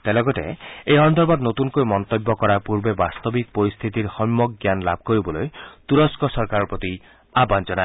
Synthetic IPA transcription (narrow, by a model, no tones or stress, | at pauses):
t̪ɛlɔɡɔtḛejɔnd̪ɔɾbad̪not̪unkojmɔnt̪ɔbːɔkɔɾapuɹbebast̪ɔbik̚poɾist̪ʰit̪iɹxɔmːɔk̚ɡjanlab̚ʱkoɹibɔlojt̪uɾɔskɔsɔɾkaɾɔɹpot̪i | aband͡ʒɔna